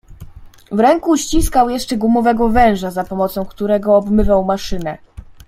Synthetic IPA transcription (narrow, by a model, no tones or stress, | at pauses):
vɾɛŋkuɕt͡ɕiskawjɛʂt͡ʂɛɡwumɔvɛɡɔvɛ̃w̃ʐazapɔmɔt̪sɔ̃w̃kt̪uɾɛɡɔːbmɘvawmaʂɘnɛ